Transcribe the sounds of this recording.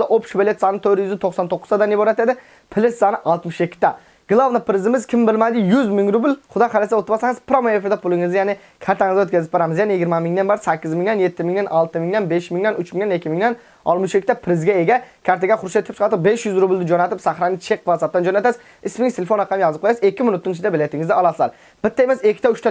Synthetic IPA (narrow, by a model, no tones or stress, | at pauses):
ɪʔopʃbelet̪sɑnɨt̪ʰøɾjyzɪt̪ʰoχsɑnt̪ʰoqːʊzd̪ɑd̪anjiboɾɛt̪ed̪ɪ | pʰɪlɪssɑnɪʔɑlˠt̪mɪʃekʲʰːɪt̪ɛ | ɡ̥lˠɑvnɪpʰɾɪzɪmɪzkʲʰɪmbɪlmæd̪ɪjyzmɪŋɾubɪlχʊd̪ɑχaɾesaot̪ɾbɑsaŋɨz̥pɾomoefɪɾd̪ɛpʰʊlˠɪŋɨzd̪janɪ | kʲʰæɾt̪ʰaŋɨzɡʲɛøt̪̚ʲkʰʲazɪp̚beɾamɪzjanɪjɪɡʲɪɾmɛmɪŋd̪ɛnbɑɾsækʲːɪzmɪiŋd̪ɛnjet̪ːɪmɪŋd̪ɛnʔɑlˠt̪ɨmɪŋd̪ænbeʃmɪŋd̪anʔyt͡ʃmɪŋnɛnekʲːɪmiŋd̪ɛn | ɒ̰lˠmɪʃekʲʰːɪ̥t̪apʰɾɪzɡʲaeɡʲakʲʰaɾt̪aɡʲaχʊɾʃat̪ʰɾɪp̚t͡ʃʰɑɾt̪ɨqbeʃjʊzɾʊbɪlʲd̪ɪd͡ʒonat̪ɪpsaχɾanɪt͡ʃʰeqvasap̚t̪and͡ʒonat̪as | ɪsmɪŋt̪ʰelefonɾɑqʰɑmjɑzɨp̚qojasekʲʰːɪmɪnʊt̪ːɪnt͡ʃʰɪd̪abelajt̪ʰːɪŋɪzd̪ɪɑlˠɑsɨzaɾ | b̥ɪt̪ːaemasekʲʰːɪ̥t̪ʰaʊʃt̪ʰa